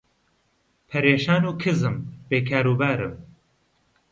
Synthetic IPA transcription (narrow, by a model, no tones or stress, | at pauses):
pʰɐɾeːʃaːnuːkʰɨzɨmb̥eːkʰaːɾuːbaːɾɨ̰m